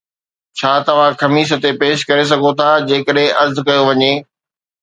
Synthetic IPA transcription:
t͡ɕʰaːt̪ɐʋ̤ãxɐmiːs̬ə̆t̪epeːʃkɐɾes̬ɐɡʱot̪ʰad͡ʑeːkəɗɦẽʔɐɾzkɐjoʋɐɲeː

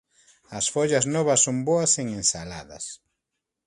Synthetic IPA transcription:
ɐsfoʎaznɔβɐsːomboɐseŋẽnsala̰ðɐ̰s

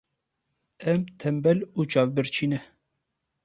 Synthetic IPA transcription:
ɛmt̪ʰɛmbɛluːt͡ʃɑːvbɨɾt͡ʃʰiːnɛ

